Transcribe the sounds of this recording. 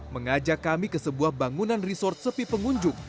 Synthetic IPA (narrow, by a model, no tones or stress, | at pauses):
məŋad͡ʒakːamikəsəbuahbaŋunanrisɔrt̪̚səpipəŋuɲd͡ʒʊk̚